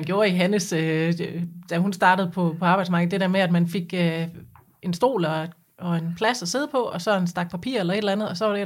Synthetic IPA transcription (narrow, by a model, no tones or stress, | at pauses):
ænɡ̥jo̝ːɐiɦænəsø | d̥æɦunsd̥ɑ̈ːɾ̥əð̩ˠpʰɒ̽pʰɒ̽ɑ̈ːb̥ɑ̈ɪdsmɑ̈ɡ̥ð̩ˠd̥e̝d̥eɐmeæd̥mænfe̝ɡ̥ø | ʔe̝nsd̥o̝̰ːlɒ | ɒ̽e̝npʰlæsɒse̝ð̞̰ˠpʰɒ̽ɒ̽sɒ̽ensd̥ɑ̈ɡ̥̚pʰæpʰḭːɐ̰elɐe̝ɾelænð̩ˠɒ̽sɒ̽ʋɑɾ̥e